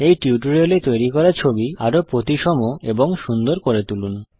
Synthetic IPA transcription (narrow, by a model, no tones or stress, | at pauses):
ejʈiuʈuɾelet̪ojɾikɔɾat͡ɕʰobiaɾopɾot̪iʃɔmoeboŋʃund̪oɾkoɾet̪ulun